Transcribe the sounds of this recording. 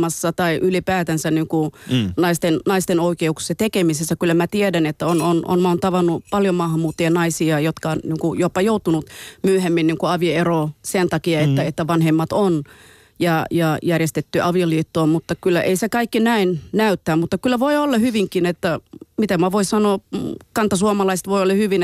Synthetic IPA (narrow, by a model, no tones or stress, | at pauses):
mɑsːɑt̪ɑiʔylipæːt̪ænsæniŋkunɑist̪ennɑist̪enoikeukse̥sɑt̪ekemisesːækylːæmæt̪iedænet̪ːæonono̰nmɑːnt̪ɑʋɑnːupɑljomɑhɑmːuːt̪ːeɑnɑisiɑjot̪kɑonniŋkujopːɑjout̪unut̪myøhemːinniːŋkuɑʋioeroːsent̪ɑkiɑet̪ːæet̪ːæʋɑnhemːɑt̪on | jɑjɑjærjest̪et̪ːyʔɑʋioliːt̪ːoːmut̪ːɑkylːæ̰ʔḛisekɑikːinæinnæyt̪ːæːmmut̪ːɑkylːæʋoiolːɑhyʋiŋkinet̪ːæmit̪æmæʋoissɑnoːkɑnt̪ːɑsuomɑlɑiset̪ʋoiolːɑhyʋin